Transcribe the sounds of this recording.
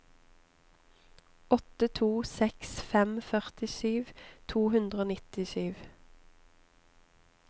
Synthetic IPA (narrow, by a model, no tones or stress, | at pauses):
ɔt̪ət̪ʰuːsɛksfɛmfœʁt̪ɪsyːʋt̪ʰuːhʉnd̪ʁəoːnɪt̪ɪsyːʋ